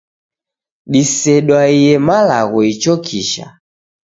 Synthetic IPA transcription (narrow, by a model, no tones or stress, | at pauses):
ɗisɛɗwaijɛmalaɣɔit͡ʃɔkʰiʃa̰